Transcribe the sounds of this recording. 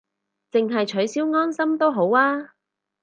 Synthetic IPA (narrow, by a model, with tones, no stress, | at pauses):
t͡sɪ˨ŋɦɐ˨jt͡ʃʰɵ˨˥ɥsiː˨˥wŋɔː˥nsɐ˥mt̪o˥wɦo˨˥waː˥